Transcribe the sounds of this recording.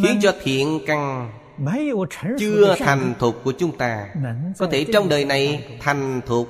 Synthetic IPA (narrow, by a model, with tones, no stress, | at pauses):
xi˨˦ənt͡ɕɔ˧t̪ʰḭ˧˨ənka˨˩ŋ | t͡ɕɨ˧ət̪ʰa˨˩jŋ̟t̪ʰu˨˩t̚kːu˧˩ət͡ɕʊ˨˦ŋ͡mt̪aː˧kɔ˨˦t̪ʰe˧˩t͡ɕɔ˧wŋ͡mɗəː˨˩jna˨˩jt̪ʰa˨˩jŋ̟t̪ʰu˨˩k̚